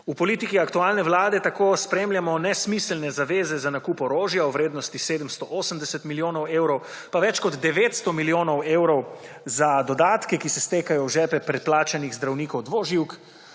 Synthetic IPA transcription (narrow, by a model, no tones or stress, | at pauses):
upɔliːt̪ikiakt̪uaːlnɛwlaːd̪ɛt̪akospɾeːmljamɔnɛsmislnɛzaʋeːzɛzanakuːpɔɾoːʒjauwʋɾeːd̪nɔst̪iseːd̪əmst̪ɔʔoːsəmd̪ɛsɛt̪miljoːnɔweːwɾɔw | paʋɛt͡ʃkɔd̪d̪ɛʋeːt̪st̪ɔmiljoːnɔweːwɾɔwzad̪ɔd̪aːt̪kɛkisɛst̪eːkajɔwʒɛːpɛpɾɛt̪̚plaːt͡ʃaniɣzd̪ɾawniːkɔwd̪ʋoːʒiwk